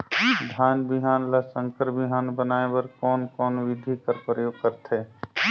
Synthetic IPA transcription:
d̪ʱaːnbiɦaːnlasə̃ŋkəɾbiɦaːnbənaːebəɾkɔːnkɔːnʋɪd̪ʱikəɾpɾəjoːɡ̚kəɾt̪ʰe

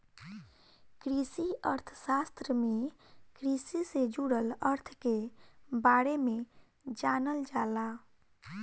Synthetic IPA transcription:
kɾisiəɾt̪ʰəsast̪ɾəmẽ | kɾisised͡ʒuɽələɾt̪ʰkebaɽemẽ | d͡ʒaːnəld͡ʒala

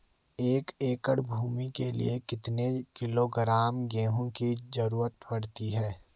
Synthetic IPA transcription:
eːkeːkəɽbʱuːmikelḭekɪt̪nekɪloɡɾaːmɡeːɦõkizəɾuːɾət̪bɐɽt̪iɦɛː

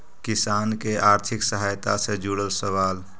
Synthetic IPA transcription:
kisankeʔaɾt̪ʰiksəɦajt̪asẽd͡ʒuɽəlsəwal

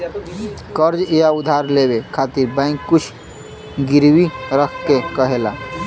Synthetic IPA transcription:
kəɾd͡ʒijaud̪ʱaɾlebekʰat̪iɾbə̃ŋkːut͡ʃʰ | ɡiɾwiɾəkʰkekəɦela

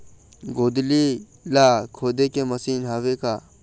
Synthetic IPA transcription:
ɡoːd̪li | laːkʰoːd̪ekemɐsiːnɦaːʋekaː

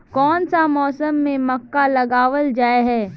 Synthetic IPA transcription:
kɔːnsamɔːsəmːẽmɐkːalɐɡaːʋəld͡ʒaːeɦɛː

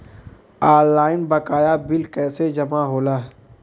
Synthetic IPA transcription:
aːɾlaːɪnbɐkaːjabɪlkɛːsed͡ʒɐmaɦoːlaː

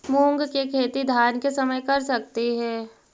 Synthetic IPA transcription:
muːŋɡkekʰeːt̪id̪ʱaːnkesɐməjkɐɾsɐk̚t̪iɦɛː

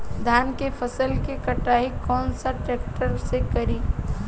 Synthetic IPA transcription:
d̪ʱaːnkepʰəsəlkekəʈaːɦikːɔːnsaʈeːk̚ʈəɾsekəɾi

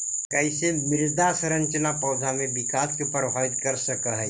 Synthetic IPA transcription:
kɛɪsemɪɾd̪asɾɐ̃ɲt͡ʃənapɔːd̪ʱamẽbɪkaːskepəɾbʱaːʋɪt̪kɐɾsɐkaɦɛː

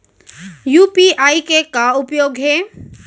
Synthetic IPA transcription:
juːpiaːikekaʊpjoːɡɦɛː

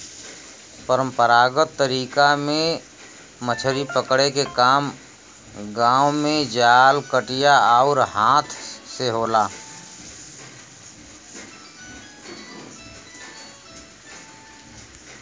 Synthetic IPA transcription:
pəɾə̃mpəɾaːɡət̪ːəɾiːkamẽ | mət͡ʃʰəɾipəkɽekekaːm | ɡãːwmẽd͡ʒaːlkəʈɪjaaʊɾɦaːt̪ʰseɦoːlaː

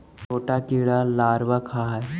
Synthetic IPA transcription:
tʰoʈakiɭalaɾʋakʰaɦaj

